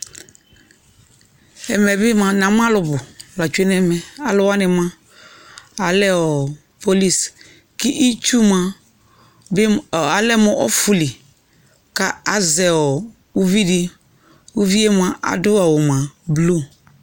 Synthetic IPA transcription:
ɛ˨mɛ˨bɪ˦mã˨nã˨m˦a˦lʊ˨bʊ˨la˨t͡ʃu˦e˦n˦ɛ˦mɛ˨a˨lʊ˨wa˦nɪ̃˨mã˦ | a˨lɛ˦ɔ˨ | po˦li˦s | kɪ˦ʔi˦t͡ʃu˦mã˨ | bɪ˦˨a˨lɛ˦mɔ˨ʔɔ̰˦fu˨li˨ | ka˨a˦zɛ˨ɔ˨ | u˦vi˦dɪ˦ | u˦vi˦e˦mã˨ʔa̰˨dʊ˦a˨wʊ˨mã˨blu˦˨

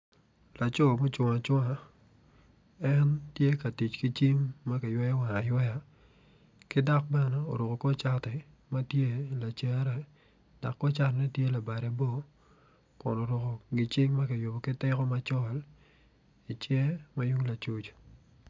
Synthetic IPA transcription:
la˨t͡ʃɔ˦˨mo˦t͡ʃʊ˨ŋa˨t͡ʃwa˨ | ɛ˦ntje˦ka˨ti˨t͡ʃkɪ˦t͡ʃi˦ŋma˦kɪ˨jwɛ˦ja˦wa˨a˨jwɛ˦ja˨ | kɪ˦da˦k̚ba˦nɔ˨o̰˨ɾʊ˨ko˨kɔ˦t͡ʃa˦tɛ˨ | ma˦tje˦la˨t͡ʃe˨˦ɾɛ˨ | d̥a̰˨kːɔ˦t͡ʃa˦tnɛ˦tje˦la˨ba˨ɾe˨bo˦˨ | kʊ˨no˨ɾʊ˨ko˨ɡɪ˨t͡ʃɪ˦ŋma˦ka˨jo˨bo˨kɪ˦tɪ˦kɔ˦ma˦t͡ʃɔ˦l | i˨t͡ʃɛ˦ma˦ju˦ŋla˨t͡ʃu˦t͡ʃ

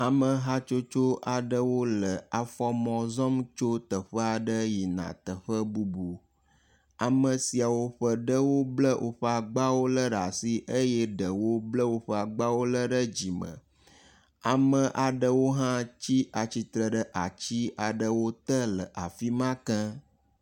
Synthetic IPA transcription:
a˨mə̃˨ɦa˦t͡ʃo˦t͡ʃo˦ʔa˨ɖə˦wo˦lə˨a˨fɔ˦mɔ̃˨zɔ˦mt͡ʃo˦t̪ə˨ɸə˦a˨ɖə˦ji˨nã̰˨t̪ə˨ɸə˦bu˦bu˨ | a˨mə̃˨si˨a˨wo˦ɸə˦ɖə˦wo˦blə˦wʔo̰˦ɸə˦a˨ɡ͡ba˦wo˦lə˦ɖa˨si˦ʔə˦jɛ˦ɖə˨wo˦blə˦wo˦ɸə˦a˨ɡ͡ba˦wo˦lə˦ɖə˦d͡ʑi˨mə̰̃˨ | a˨mə̃˨ʔa˨ɖə˦wo˦ɦã˦t͡ɕi˦ʔa˨t͡ɕi˦t̪ɾə˨ɖə˦ʔa˨t͡ɕi˦a˨ɖə˨wo˦t̪ə˦lə˨ʔa˨fi˦mã˦kə̃˦

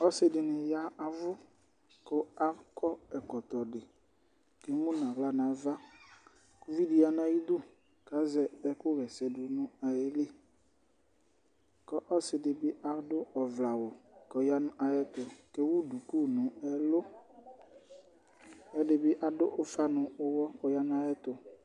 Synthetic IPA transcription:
ɔ˦sɪ˦dɪ˨nɪ˨ja˦a˨vʊ˦ | kʊ˦a˦kɔ˦ɛ˨kɔ˨t̪ɔ˨dɪ˨ | ke˨˦mũ˦n˨ã˨ɣla˦nã˨va˦ | ku˦vi˦di˨˦ja˨nã˦ji˦d̪ʊ˦ | ka˨˦zɛ˨ɛ˦kʊ˦ɣɛ˨sɛ˨dʊ˨nʊ̃˦a˨jɛ˦lɪ˦ | kɔ˦ʔɔ˦sɪ˨dɪ˨bɪ˦ʔa˨dʊ˦ɔ˨vla˨wɔ˨kɔ˨ja˦nʊ̃˦ʔa˨jɛ˦t̪ʊ˨ke˦wu˦du˨ku˦˨nʊ̃˨ɛ˦lʊ˦ | ɛ˦dɪ˨bɪ˦ʔa˨dʊ˦ʔʊ˦fa˦nʊ̃˨ʊ˦wɔ˦kɔ˨˧ja˦nʊ̃˦a˨jɛ˦t̪ʊ˨

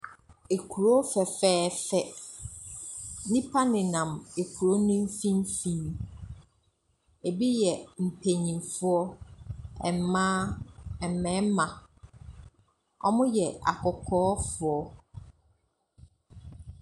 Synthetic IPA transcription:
e˨kʰu˨ɾo˦fɛ˨fɛː˦fɛ˦ | nĩ˦pʰa˦nɪ̃˨nã˨me˨kʰu˨ɾo˦nʊ̃˦m˦fĩ˦m˦fĩ˨n | e˨bi˦jɛ˨m̩˨pʰe˨ɲĩ˨mfʊ˦ɔ˦ | ɛ˨mmãː˦ɛ˨mɛ̃˦mã˨ | ɔ̰˦mʊ̃˦jɛ˨a̰˨kʰɔ˨kʰɔː˦fʊ˨ɔ˦

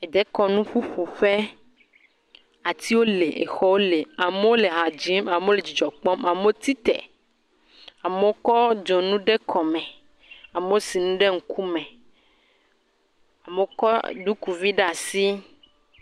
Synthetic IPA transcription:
e˨d̪ɛ˦kɔ˦nũ˦ɸu˦ɸu˨ɸe˦ | a˨t̪i˦wo˦le˨ʔḛ˨xɔ˦wo˦le˨a˨me˦wo˦le˨ɦa˨d͡ʒi˦ma˨me˦o˦le˨d͡ʑi˨d͡ʒɔ˨k͡pɔ˦ma˨me˦o˦t̪i˦t̪ɛ̰˨ | a˨me˦wo˦kɔ˦d͡ʒo˨nũ˦ɖe˦kʰɔ˨mɛ̃˨ | a˨me˦o˦si˨nũ˦ɖe˦ŋ̩˨kʰu˦mɛ̃˨ | a˨me˨˦o˦kɔ˦d̪u˦ku˨vi˦ɖe˦a˨si˦

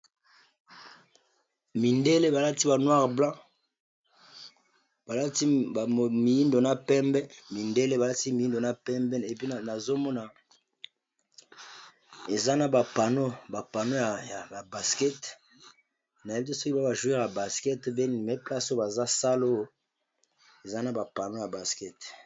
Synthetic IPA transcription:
mi˨nde˦le˦ba˨la˦ti˦ba˨nwa˦ʁblã˦ | ba˨la˦ti˦˨mi˨ji˦ndo˨na˦pɛ˦mbɛ˦mi˨nde˦le˦ba˨la˦ti˦mi˨ji˦ndo˨na˦pɛ˦mbɛ˦ne˨pi˦˨na˨zo˦mɔ˦na˨ | e˨za˦na˨ba˨pa˨no˦ba˨pa˨no˦ja˨ja˨ba˨ba˨skɛ˦t | na˨je˦bi˦t̬e˦sɔ˦ki˦ba˦ba˨ʒu˨˦i˦ʁa˨ba˨skɛ˦tbe˦ni˨mɛ˦pla˦so˦ba˨za˦sa˦lo˦ | e˨za˦na˦ba˨pa˨no˦ja˨ba˨skɛ˦t

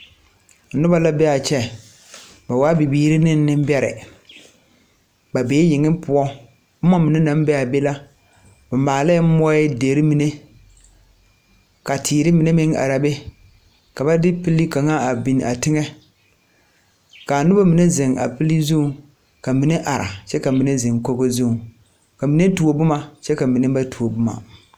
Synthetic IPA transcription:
nʊ˦ba˨la˦bɛ˦a˨t͡ʃɛ˦ | ba˨waː˦bi˨biː˦ɾɪ˦nɪ˦n˦nɪ˦m˦bɛ˦ɾɪ̰˨ | ba˨be˨˦jɪ˨ŋɪ˦mpʰʊ˦ɔ˦ | bʊ˦mɔ˦mi˨ne˦nã˨˦m˦bɛ˦a˨be˦la˦ | bʊ˨maː˨lɛ˦mɔ˦ɪ˦deː˨ɾɪ˦mi˨ne˦ | ka˨tʰiː˨ɾɪ˦mi˨ne˦mɪ˦ŋa̰˨ɾa˨be˦ | ka˨ba˦dɪ˦pi˦li˦ka˨ŋa˦a˨bi˨n˨ʔa˨tɪ˦ŋɛ˦ | ka˨nʊ˦ba˦mi˨ne˦zɪ˨ŋa̰˨pi˦li˦zu˦˨˦ | ka˨mi˨ne˦ʔa˨ɾa̰˨t͡ʃɛ˦ka˨mi˨ne˦zɪ˨ŋko˦ɡo˦zu˦˨ | ka˨mi˨ne˦tu˨o˨bʊ˦ma˨t͡ʃɛ˦ka˨mi˨ne˦ba˦tʰu˨o˨bʊ˦ma̰˨

